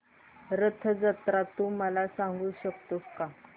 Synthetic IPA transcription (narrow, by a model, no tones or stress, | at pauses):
ɾət̪ʰəd͡zət̪ɾat̪um̤əlasãŋɡuːɕəkt̪oka